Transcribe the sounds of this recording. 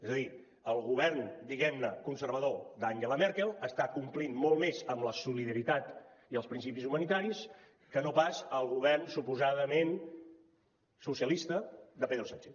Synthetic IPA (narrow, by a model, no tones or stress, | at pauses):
ezəði | əlˠɣuβ̞ɛrnd̪iɣɛmnəkunsəɾβəðod̪aŋʒeləmɛɾkelˠəst̪akumplinmolˠmezəmləsuliðəɾit̪at̪ | iəlˠspɾinsipizumənit̪aɾis | kənopasəlˠɣuβɛrnsupuzaðəmen | susiəlist̪əd̪əpeðɾusant͡ʃe